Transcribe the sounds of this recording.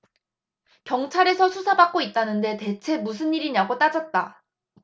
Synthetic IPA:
kjʌŋt͡ɕʰaɾe̞sʰʌsʰusʰabak̚k͈oit̚t͈anɯnde̞te̞t͡ɕʰe̞mus̬ʰɯnːiɾiɲaɡot͈ad͡ʑʌt̚t͈a

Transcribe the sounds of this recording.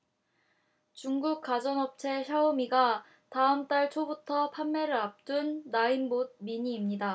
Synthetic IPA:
t͡ɕuŋɡuk̚k͈ad͡ʑʌnʌp̚t͡ɕʰe̞ɕʰaomiɡa | taɯmt͈aɭt͡ɕʰobutʰʌpʰanːeɾɯɾap̚t͈unːaimbod̚miɲiːmɲida

